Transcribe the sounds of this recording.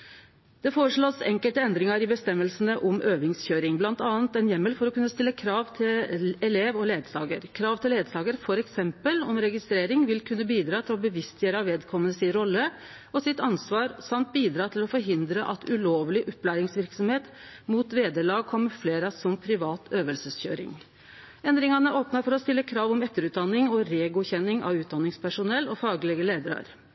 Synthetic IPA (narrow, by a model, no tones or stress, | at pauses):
d̪̥ɛfoːɾəʂɭoːsɛŋkəlt̪əɛnd̪ɾɪŋɑɾɪbəst̪ɛmːəlsənəʔɔmʔøːʋɪŋsçøːɾɪŋblɑnt̪ɑːənt̪ɛnjɛmːəlfɔɾɔkʉnːəst̪ɪlːəkʰɾɑːʋt̪ʰɪlɛleːʋɔleːd̪sɑ̰ːɡə̰ɾkʰɾɑːʋt̪ʰɪleːd̪sɑːɡəɾfɔɾɛksɛmpəlɔmɾɛɡɪst̪ɾeːɾɪŋʋɪlkʰʉnːəbiːd̪ɾɑːt̪ʰɪlɔbəʋɪst̪jøːɾəɑʋeːd̪kʰɔmːənəsɪnɾɔlːə | ɔsɪt̪ɑnsʋɑːɾsɑmt̪̚biːd̪ɾɑːt̪ʰɪlɔfɔɾɦɪnd̪ɾəʔɑt̪ʰʉloːʋlɪʔɔpːlæːɾɪŋsʋɪɾksɔmheːt̪muːt̪ʋeːd̪əɭɑːɡ̚kʰɔmːəɾfleːɾɑsɔmpʰɾɪʋɑːt̪ʰøːʋəlsəsçø̰ːɾɪ̰ŋ | ɛnd̪ɾɪŋɑnəʔoːpnɑfɔɾɔst̪ɪlːəkʰɾɑːʋɔmɛt̪ːəɾʉːt̪̚d̪ɑnːɪŋɔɾeːɡʊçɛnːɪŋɑ̰ʋʉːt̪d̪ɑnːɪŋspʰæʂʊnɛlːɔfɑːɡlɛɡəleːd̪əɾɑ̰ɾ